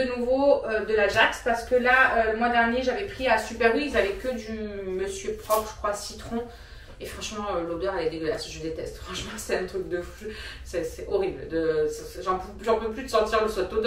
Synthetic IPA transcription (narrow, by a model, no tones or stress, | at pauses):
ənuvoød̪əlaʒakspaʁsə̥kəlaøləmwad̪ɛʁnjeʒavɛpχiasypɛʁwiizavɛkəd̪yməsjøpχɔpχʒ̥ə̥kχwasit̪χɔ̃ | efχɑ̃ʃmɑ̃ølod̪œʁalɛd̪eɡəla̰sʒəd̪et̪ɛst̪fχɑ̃ʃmɑ̃sɛɛ̃t̪χyk̚d̪əfu̥ʒsɛsɛʔɔʁibld̪əs | ʒɑ̃p | ʒɑ̃pøplysɑ̃t̪iʁləsɔt̪od̪